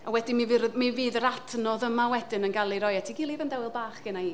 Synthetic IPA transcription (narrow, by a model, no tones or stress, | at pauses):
awɛdimivɨɾmiviːðəɾatʰnɔðəmawɛdɪnənɡalˠiɾɔjatʰiɡɪlˠivəndɛwɪlˠbaːχɡ̥ɪnaiː